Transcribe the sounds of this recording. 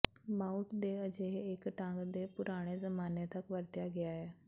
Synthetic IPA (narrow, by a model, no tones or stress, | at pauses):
maːʊʈd̪eəd͡ʒeɦːkʈãːŋɡd̪epʊɾaːɽ̃ezəmaːnet̪əkʋəɾt̪jaɡɪjaɦeː